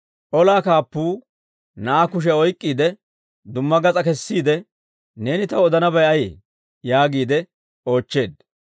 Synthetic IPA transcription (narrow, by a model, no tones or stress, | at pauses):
ʔɔlaːkaːpːuː | nɐʔakʊʃ̬ɛɔjkʼːiːd̪ɛ | d̪ʊmːɐɡɐt͡sʼɐkɛsːiːd̪ɛ | ne̞ːnɪt̪ɐwɔd̪ɐnɐbɐjɐje | jaːɡiːd̪ɛ | o̞ːt͡ʃːe̞ːd̪